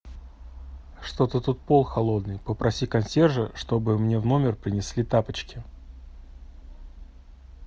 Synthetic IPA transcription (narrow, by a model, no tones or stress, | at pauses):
ʂt̪ot̪ət̪ut̪̚po̞lˠxɐlˠo̞d̪nɨjpəpɾʔɐsʲikɐnsʲerʐəʂt̪o̞bɨmnʲe̞vno̞mʲɪrpɾʲɪnʲɪsʲlʲit̪apət͡ɕkʲɪ